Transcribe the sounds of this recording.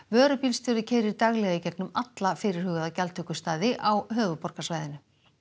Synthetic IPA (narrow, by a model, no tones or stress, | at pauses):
vœːɾʏpilst̪jœːɾðʏcʰɛːjɾɪɾt̪aɣlɛɣɪcɛt̪nʏmat̪lafɪːɾɪɾ̥hʏɣaðacalt̪ʰœːkʏst̪aːðɪʔawɦœːɣʏpɔr̥kasvaːjðɪnʏ